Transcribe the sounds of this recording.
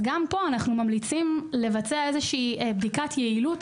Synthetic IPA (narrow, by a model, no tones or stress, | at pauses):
ɡampo̞anaχnumamlit͡simle̞vat͡seaezeʃiːbdikatʰjeilut